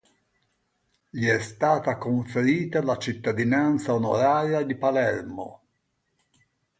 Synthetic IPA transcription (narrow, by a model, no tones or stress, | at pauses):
ʎiɛst̪aːt̪akoɱfeɾiːt̪alat͡ʃit̪ːad̪inant̪saono̰ɾaːɾjad̪ipalɛrmo̰